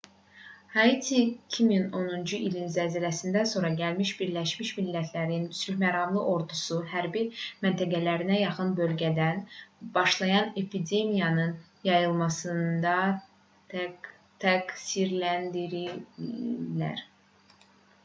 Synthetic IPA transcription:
hɑit̪ʰicʰimino̞nund͡ʒuʔilinzæziɾæsind̪ænso̞ɾɑɟælmiʃbiɾlæʃmiʃmilːæt̪ʰlæɾinysyçmæɾɑmlˠɯʔo̞ɾd̪usuɦæɾbimænt̪ʰæɡælæɾinæjɑχɯnbø̞lɟæd̪ænb̥ɑʃlˠɑjɑne̞pʰid̪e̞mijɑnɯn | jɑjɯlˠmɑsɯnd̪ɑ | t̪ʰæɡsiɾlænd̪iɾi | læ̰ɾ

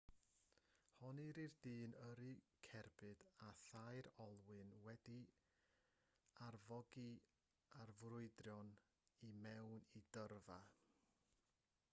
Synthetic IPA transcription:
hɔniɾirdiːnəɾikʰɛrbɨdaθajɾɔlˠwɨnwɛdi | arvɔɡi | arvrʊɨdrjɔn | imɛwnidərva

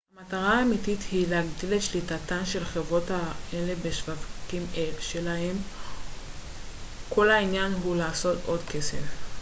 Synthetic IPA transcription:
hamataʁaːmitithileaɡdilet̪ʃlitatanʃe̞lχevʁo̞thae̞le̞beʃvavkimʔelʃe̞laem | kʰo̞lainjanɦulaːsoto̞dke̞sḛf

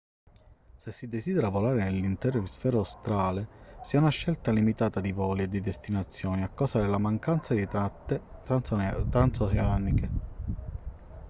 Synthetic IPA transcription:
sesːid̪esid̪eɾavolaːɾenelːint̪ɛːɾosfɛːɾaost̪ɾaːlesiɛunaʃːɛlt̪alimit̪aːt̪ad̪ivɔːled̪id̪est̪inat̪sːjɔːniakːaːsad̪elːamaŋkant̪sad̪it̪ɾat̪ːe | t̪ɾant̪soseaːnike

